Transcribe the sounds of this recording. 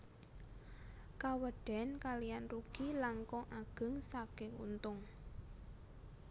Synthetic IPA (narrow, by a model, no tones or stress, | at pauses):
kawəɖ̥ɛ̤nkalijanruɡ̥ilaŋkɔŋʔaɡ̥ə̤ŋsaɡ̥ɪ̤ŋṵnt̪ʊŋ